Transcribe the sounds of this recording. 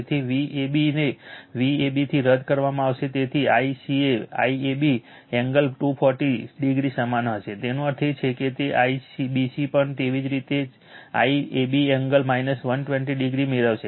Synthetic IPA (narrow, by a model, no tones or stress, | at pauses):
t̪ʰiʋiebineʋiebit̪ʰiɾəd̪ʱkəɾʋamãaʋʃet̪et̪ʰiaisiea̰iebi | ɛŋɡəlʈupʰɔɾʈiɖiɡɾisəmanɦəʃet̪enũəɾt̪ʰit͡ʃʰeket̪eʔaisibisipəɳt̪eʋid͡ʒɾit̪e | a̰iebiɛŋɡəlmainəsʋənʈʋɛ̃ɳʈiɖiɡɾimeɾəʋʃe